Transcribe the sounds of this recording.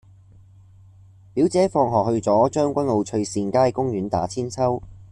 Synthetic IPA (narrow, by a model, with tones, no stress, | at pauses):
piː˨˥wt͡sɛː˨˥fɔː˧ŋɦɔː˨k̚hɵ˧ɥt͡sɔː˨˥t͡ʃœː˥ŋkʷɐ˥nlo˨˧wt͡ʃʰɵ˧ɥsiː˧nkaː˥jkʊ˥ŋɥyː˨˥nt̪a̰ː˨˥t͡sʰiː˥nt͡sʰɐ˥w